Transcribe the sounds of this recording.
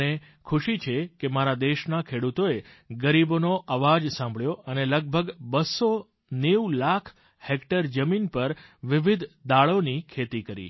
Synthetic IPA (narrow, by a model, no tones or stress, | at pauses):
ne | kʰʊʃit͡ʃʰekemaɾad̪eʃnakʰeɽut̪oeɡəɾibonoʔaʋad͡ʒsãmbʱɭjoəneləɡ̚bʱəɡbəso | newlakʰ | hekʈəɾd͡ʒəminpəɾʋɪʋɪd̪ʱd̪aɭonikʰet̪ikəɾḭ